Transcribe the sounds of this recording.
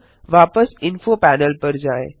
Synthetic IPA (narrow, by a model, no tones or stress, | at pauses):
ʋaːpəsɪnfopɛːnəlpɐɾd͡ʒaːḛ̃ː